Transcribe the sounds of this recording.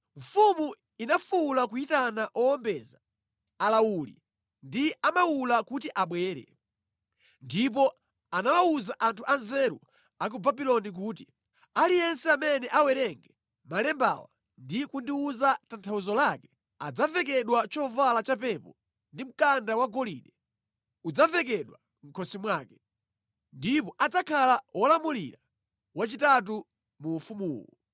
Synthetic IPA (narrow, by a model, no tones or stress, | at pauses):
ɱ̩fumu | inafulakuitanaʔɔɔmbɛzaː | laulḭ | ndiamawulakutiʔaɓwɛːɾɛ̰ | ndip̬ɔ | anawauzaʔantʰuʔanzɛɾṵ | ak̬ubabilɔnik̬uːt̬i | alijɛnsɛamɛnɛʔawɛɾɛŋɡɛ | malɛmba̰wa̰ | ndikundiuzatantʰawuzɔlakɛ̥ | a̰d͡zavɛk̬ɛɗwat͡ʃɔvalat͡ʃapɛpɔ̰ | ndim̩kandawaɡɔliɗɛ | ud͡zavɛk̬ɛɗwa | ŋ̩kʰɔsimwaːkɛ̥ | ndipɔʔad͡zakʰalawɔlamulḭɾa | wat͡ʃitat̬u | muːfumuːkɔ̰